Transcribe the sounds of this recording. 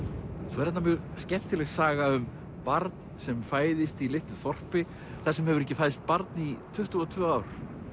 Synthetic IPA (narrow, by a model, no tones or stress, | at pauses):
θɔɾɛtnamjʏɾscɛm̥t̪ʰɪlɛxsaːɣaʏm | paɾt̪nsɛmfaːjðɪst̪ilɪht̪nʏθɔr̥pɪ | θasɛmhɛvʏɾɛhcːɪfajðɪst̪̚paɾt̪nit̪ʰʏht̪ʏɣɔt̪ʰvœːaːwɾ̥